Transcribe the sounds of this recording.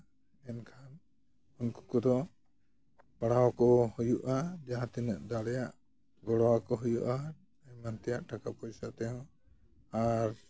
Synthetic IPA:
ɛnkʰan | unku̥kɔd̪ɔ | paɽawɔkɔhujuʔad͡ʒaɦãt̪ɛnəʔd̪aɽɛjaʔ | ɡɔɽɔwakɔɦujuʔa | aɲmant̪ɛjaʔʈakapɔjsat̪ɛɦɔ̃ | aɾ

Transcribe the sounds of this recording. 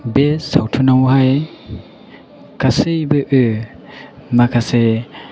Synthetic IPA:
besawtʰunawɦaj | kasɯjbɯʔɯ | makʰase

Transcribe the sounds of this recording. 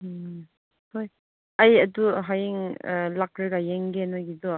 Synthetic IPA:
hoj | ajɐduɦajiŋlak̚ɾɯɡajeŋɡenaɡidɔ

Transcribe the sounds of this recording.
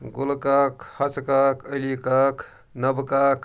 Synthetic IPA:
ɡulkakhɐt͡skakəjlikak | nəbkak

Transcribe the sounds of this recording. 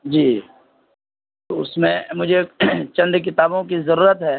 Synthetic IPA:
d͡ʒiː | t̪oʊsmẽmʊd͡ʒʱet͡ʃɐ̃nd̪k̬ɪt̪aːbõkizɐɾuːɾət̪ɦɛː

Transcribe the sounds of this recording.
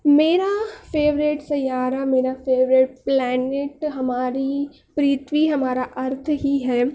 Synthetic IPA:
meːɾafeːʋɾɪʈsɐjaːɾameːɾafeːʋɾɪʈ̚plɛːnɪʈɦɐmaːɾi | pɾiːt̪ʋiɦɐmaːɾaʔɐɾt̪ʰɦiɦɛː

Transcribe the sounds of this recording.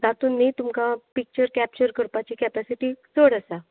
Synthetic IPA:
d͡zat̪uːnːit̪umkapik̚t͡ɕəɾkæp̚t͡ɕəɾkəɾpat͡ɕiːkɛpɛsiʈiːt͡soɽəsa

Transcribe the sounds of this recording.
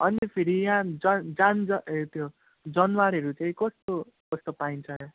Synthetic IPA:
ʌnipʰiɾijãd͡zʌd͡zand͡zʌt̪ʰjo | d͡zʌnwaɾɦʌɾut͡saĩkʌst̪o | kʌst̪opaint͡sʰʌɦ

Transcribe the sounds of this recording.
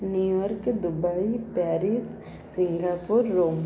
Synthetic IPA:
njuːjɔːɾkd̪ʊbaipɛːɾɪs | sɪ̃ŋɡaːpʊɾːoːm

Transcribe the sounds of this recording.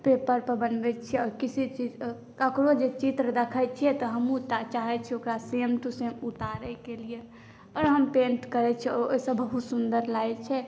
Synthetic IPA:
pepəɾpəbənbɛt͡ʃʰɛɔɾkisit͡ʃid͡ʒ | kəkɾod͡ʒet͡ʃit̪ɾəd̪əkʰət͡ʃʰiɛt̪ɔɦəmut͡ʃat͡ʃaɦɛt͡ʃʰɛokɾasemʈusemut̪aɾɛkelie | ɔɾɦəmpenʈkəɾɛt͡ʃʰɛɔosəbbəɦut̪sund̪əɾlajt͡ʃʰɛ

